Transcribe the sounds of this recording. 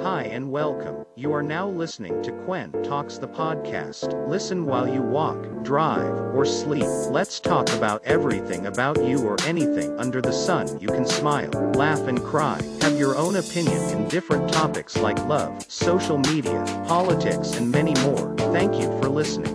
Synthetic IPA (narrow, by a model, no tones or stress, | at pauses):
haɪɨ̃nwɛlˠkʰə̃mjɨə˞naʊlɪsnɪ̰̃ŋtʰɨkʰw̥ɛ̃ntʰɔksðəpʰɑd̚kʰæ̰stlɪsɨ̃nwaɪlˠjɨwɔkdɹaɪvə˞slip̚lɨtstʰɔkɨbaʊɾʔɛvɹiθɪ̰̃ŋɨbaʊt͡ʃɨə˞ʔɛniθɪ̰̃ŋʌ̃ndə˞ðɨsʌ̃njɨkʰn̩smaɪlˠlæfɨ̃nkʰɹ̥aɪɨvjə˞õʊ̃nɨpʰɪ̃njɨ̰̃nɨ̰̃ndɪfɹɨ̃ntʰɑpɨkslaɪklʌv̥soʊʃl̩ˠmiɾḭɨ̰pʰɑlˠətʰɪksɨ̃nmɛñimɔ̰ɹθæ̃ŋkʰjɨ̰fə˞lɪsnɪ̰̃ŋ